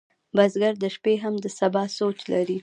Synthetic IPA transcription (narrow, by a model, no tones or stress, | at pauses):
bazɡaɾd̪əʃpeɦamd̪əsabɑsot͡ʃlaɾi